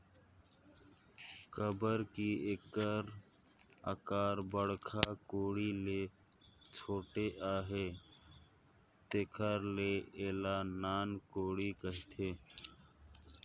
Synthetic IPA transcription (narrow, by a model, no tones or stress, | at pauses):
kəbəɾkiekəɾ | ə̰kaːɾbəɽkʰaːkoːɽileː | t͡ʃʰoːʈeʔaːɦeː | t̪ekʰaːɾleːeːlaːnaːnkoːɽikəɦt̪ʰeː